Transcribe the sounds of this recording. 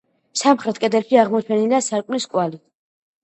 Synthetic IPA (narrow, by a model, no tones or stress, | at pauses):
samχɾɛt̪ʰkʼɛd̪ɛlʃiaʁmɔt͡ʃʰɛniliasaɾkʼmniskʼwali